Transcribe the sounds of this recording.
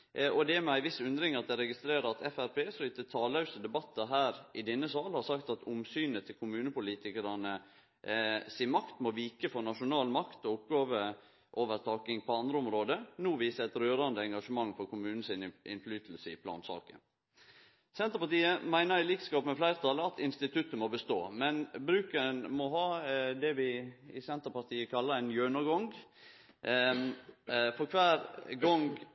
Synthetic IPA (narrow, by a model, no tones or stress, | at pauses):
ɔd̪ɛmɛæɪʋɪsʉnd̪ɾɪŋɑt̪̚d̪ɛɾɛɡɪst̪ɾeːɾəɾɑt̪ʰɛfæɾpʰeːfɾʏt̪ət̪ʰɑːlɑʉsəd̪ɛbɑt̪ːəɦæːɾɪd̪ɛnːəsɑːlhɑɾsɑkt̪ɑt̪ʊmsyːnət̪ʰːɪlkʰʊmʉːnəpʊliːt̪ɪkəɾɑnə | siːmɑkt̪mɔʋiːkəfɔɾnɑʂʊnɑːlmɑkt̪ɔʊp̚ɡɑːʋə | ʔoːʋəɾt̪ʰɑːkɪŋpʰɔɑnd̪ɾəʊmɾoːd̪ənuːʋiːsəɛt̪ɾøːɾɑnd̪əɛŋɡɑʂəmɑŋːfɔɾkʊmʉːnn̩sɪnʔɪ̰nflyːt̪l̩səɪpʰlɑ̰ːnsɑ̰ːkə̰n | sɛnt̪əɾpɑt̪iːəmæɪnəɾɪliːkskɑːpmɛflæɪɾət̪ʰɑlːəɑt̪ʰɪnst̪ɪt̪ʰʉt̪ːəmɔbəst̪oːmɛnbɾʉːkənmɔɦɑːd̪ɛʋɪɪsɛnt̪əɾpɑt̪ʰiːəkʰɑlːəɾæɪnjøːnɑɡɔŋɡ | fɔɾkʰʋæːɾɡɔŋɡ